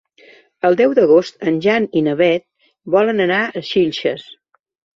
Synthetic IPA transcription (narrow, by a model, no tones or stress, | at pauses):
əlˠd̪ɛwd̪əɣ̞ost̪ənʲʒaninəβɛt̪̚ | bɔlənənaəʃiʎʲʃə̰s